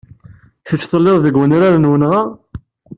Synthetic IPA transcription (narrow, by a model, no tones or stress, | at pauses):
çət͡ʃːθˤəlːeðˤðəɡwəniɾaɾənwənʁæ